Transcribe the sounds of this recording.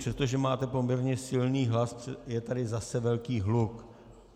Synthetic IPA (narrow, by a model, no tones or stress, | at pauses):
r̥ɛst̪o̞ʒɛmaːt̪ɛpo̞mɲɛɾɲɛsɪlniːɦlasjɛt̪adɪzasɛvɛlkiːɦluk